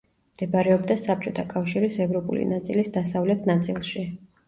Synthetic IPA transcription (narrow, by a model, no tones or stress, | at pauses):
md̪̥ɛbaɾɛɔbd̪asap̚t͡ʃʼɔt̪ʰakʼafʃiɾisɛvɾɔpʼṵlḭnat̪sʼilisd̪asavlɛt̪ʰnat̪sʼḭlˠʃi